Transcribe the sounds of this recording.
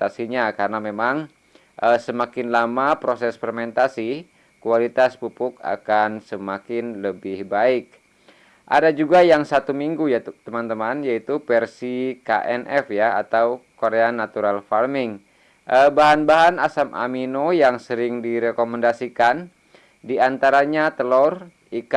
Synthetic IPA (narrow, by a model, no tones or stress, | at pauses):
t̪asiɲakaɾənamemaŋ | ʔəsəmakɪnlamapɾosɛspərmɛnt̪asi | kualit̪aspupʊka̰kansəmakɪnləbɪhbaɪk̚ | ʔa̰dad͡ʒuɡajaŋsat̪umiŋɡujat̪əmant̪əmanjait̪upɛrsika̰ʔɛnʔɛfjaat̪awkoɾeanat̪uɾalfarmɪŋ | ʔəbaɦanbaɦanasamʔa̰minojaŋsəɾɪŋdiɾɛkomɛndasikan | diant̪aɾaɲat̪əlɔr | ik